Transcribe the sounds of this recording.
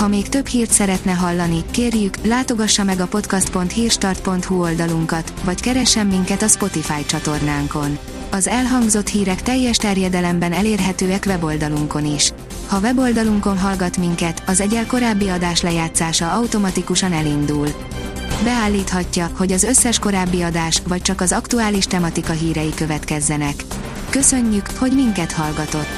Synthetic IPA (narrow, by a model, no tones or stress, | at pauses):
hɒmeːkt̪ø̞phiːrt̪sɛɾɛt̪nɛɦɒlːɒnikeːrjyklaːt̪o̞ɡɒʃːɒmɛɡɒpo̞t̪kɒst̪̚po̞nt̪hiːrʃt̪ɒrt̪̚po̞nt̪huo̞ld̪ɒluŋkɒt̪vɒckɛɾɛʃːɛmːiŋkɛt̪ɒspo̞t̪ifaːjt͡ʃɒt̪o̞rnaːŋko̞n | ɒzɛlɦɒŋɡzo̞t̪hiːɾɛkt̪ɛjːɛʃt̪ɛrjɛd̪ɛlɛmbɛnɛleːrɦɛt̪øːɛkʋɛbo̞ld̪ɒluŋko̞niʃ | hɒvɛbo̞ld̪ɒluŋko̞nɦɒlɡɒt̪miŋkɛt̪ɒzɛɟɛlko̞ɾaːbːiɒd̪aːʃlɛjaːt̪saːʃɒɒwt̪o̞mɒt̪ikuʃɒnɛlind̪uːl | bɛaːlːiːt̪hɒcːɒho̞ɟɒzø̞sːɛʃko̞ɾaːbːiɒd̪aːʃʋɒc̚t͡ʃɒkɒzɒkt̪uaːliʃt̪ɛmɒt̪ikɒɦiːɾɛjikøvɛt̪kɛzːɛnɛkː | ø̞sø̞ɲːykho̞ɟmiŋkɛt̪hɒlɡɒt̪o̞t̪ː